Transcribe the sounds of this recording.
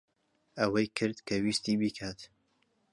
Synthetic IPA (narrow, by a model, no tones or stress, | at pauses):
ɐwɐjkʰɨɾd̪kʰɐwiːst̪iːbiːkʰaːt̪